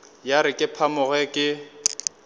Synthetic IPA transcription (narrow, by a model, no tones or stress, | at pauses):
jaɾɪkʼɪpʰamʊɣɛkʼɪ